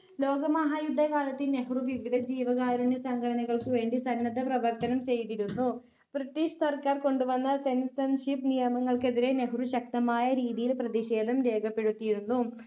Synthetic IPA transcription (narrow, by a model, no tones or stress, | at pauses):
lo̞ːɡɐmɐɦaːjud̪ʱːɐkaːlɐt̪ːine̞ɦuruʋiʋiðɐd͡ʑiːʋɐɣaːɾuɳɖesɐŋɡʰʱɐɽɐnɐɣɐɭkɨʋe̞ːɳɖisɐnːɐd̪ʱɐprɐʋɐrt̪ɐnɐmt͡ɕe̞jt̪iɾunːu | b̥riʈːiːʂsɐrkaːrko̞ɳɖuʋɐnːɐse̞nsɐnʂipnijɐmɐŋːɐɭke̞ðiɾe̞ne̞ɦuruɕɐk̚t̪ɐmaːjɐɾiːðijilprɐðiɕe̞ːd̪ʱɐmɾe̞ːɡɐpːe̞ɽut̪ːijiɾunːu